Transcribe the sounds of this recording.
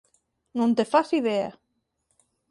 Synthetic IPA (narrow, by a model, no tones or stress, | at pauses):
nõnt̪efasiðea